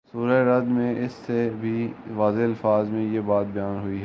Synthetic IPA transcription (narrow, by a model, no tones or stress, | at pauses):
suːɾaeɾɐd̪mẽʔɪsːebʱiʋaːzeɐlfaːzmẽjebaːt̪̚bɐjaːnɦʊiɦɛː